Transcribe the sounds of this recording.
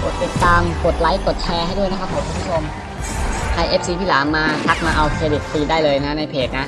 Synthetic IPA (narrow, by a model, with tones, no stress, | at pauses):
ko˨˩t̪ːi˨˩t̪ːaː˧mko˨˩t̪̚la˦˥jko˨˩t̪̚t͡ɕʰɛː˧ɦa˥˩jdu˥˩əjna˦˥kʰa˦˥pʰːo˨˦kʰu˧mpʰu˥˩o˧m | kʰa˧jʔe˦˥p̚siː˧pʰiː˧˥˩laː˩˦nmaː˧t̪ʰa˦˥k̚maː˧ʔa˧wkʰeː˧di˨˩t̪̚fiː˧daː˥˩jlɤː˧jna˦˥na˧jpʰeː˨˩k̚na˦˥ʔ